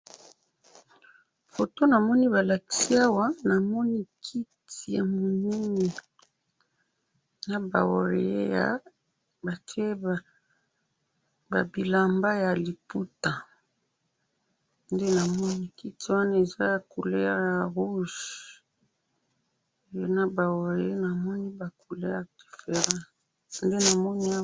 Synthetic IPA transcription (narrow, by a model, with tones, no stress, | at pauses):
fo˨to˦na˨mɔ˦ni˦βa˨la˨ki̥˨si˦a˦wa˦na˨mɔ˦ni˦kʰi˦tʰi˨ja˨mo˨ni˦ni˨ | na˨ba̰˨wo̰˨ɾḛ˨jḛ˦ja̰˨ | ba˨ti˦e˦ | ba̰˨bi˨la˨mba˦ja˨li˨pu˦ta˨ | nde˦na˨mɔ˦ni˦ki˦ti˦wa˦na˦e˨za˦ja˨ku˨le˦ja˦ja˨ʁu˦ʒ | na˦ba˨wo˨ʁe˨e˦na˨mɔ˦ni˦ba˨ku˨le˦ja˨d̥i˨fe˨ʁã˦ | nde˦na˨mɔ˦ni˦